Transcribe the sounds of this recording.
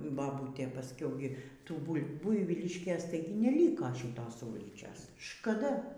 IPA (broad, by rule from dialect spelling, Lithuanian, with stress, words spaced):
bɐˈbuːtʲeː pɐsʲˈkʲɛʊ ɡʲɪ ˈtuː ˈbʊlʲ ˈbʊɪʋʲiːlʲɪʃʲkʲeːs ˈtɐɪɡʲɪ nʲɛˈlʲiːkoː ʃʲiːˈtoːs ˈuːlʲiːt͡ʃʲoːs ʃkɐˈdɐ